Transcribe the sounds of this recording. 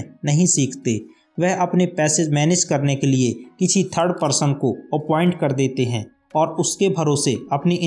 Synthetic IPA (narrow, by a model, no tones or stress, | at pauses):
nɐɦĩsiːkʰt̪eː | ʋɛɦɐpnepɛːsɪd͡ʒmɛːnɪd͡ʒkɐɾnekeliekɪt͡ʃʰit̪ʰəɾɽpəɾsə̃nkoɐpɔ̃ːɪ̃ɳʈ̚kɐɾd̪eːt̪eɦɛ̃ː | ɔːɾʊskebʱɐɾoːseɐpniʔɪ̃